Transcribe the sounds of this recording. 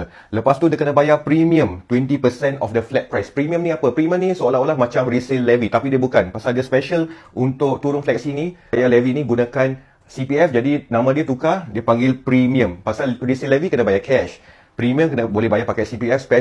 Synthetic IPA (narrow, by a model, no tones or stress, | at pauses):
ləpast̪udiəkənəbajapɾimĩə̃mt̪wɛnt̪ipəsɛnɔfdəflɛk̚pɾajspɾimĩə̃mnĩapəpɾimiə̃mnĩsəolaɦolahmãt͡ʃamɾisəlɛvit̪apidiəbukanpasaldiəspɛʃəlʔunt̪ʊk̚t̪uɾʊnflɛk̚sinĩjalɛvinĩɡunãkan | sipiɛfd͡ʒadinãmãdiət̪ukadiəpaŋɡɪlpɾimĩə̃mpasalɾisəlɛvikənabajakʰɛʃ | pɾimĩə̃mkənəbolɛhbajapakajsipiɛfspɛ